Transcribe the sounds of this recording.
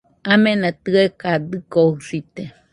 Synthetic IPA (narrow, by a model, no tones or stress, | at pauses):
amẽnat̪ɨekad̪ɨkohsit̪e